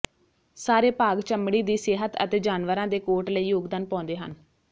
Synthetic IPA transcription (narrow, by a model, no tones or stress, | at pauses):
saːɾeːpaːɡt͡ʃəmɽiːd̪iːseɦət̪ə̰t̪eːd͡ʒaːnʋəɾãːd̪eːkoːʈləiːjoːɡd̪aːnpɔ̃ːnd̪eːɦə̰n